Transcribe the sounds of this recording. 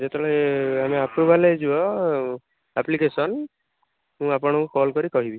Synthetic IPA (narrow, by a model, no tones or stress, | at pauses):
d͡ʒet̪eɭɔeameapɾubʱaled͡ʒuɔ | aplikesɔn | mũapɔɽ̃ɔ̃kɔlkɔɾikɔɦibi